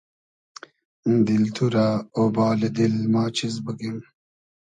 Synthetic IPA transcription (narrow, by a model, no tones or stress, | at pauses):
d̪ilt̪ʰuɾaobɑːled̪ilmɑːt͡ɕʰizbəɡim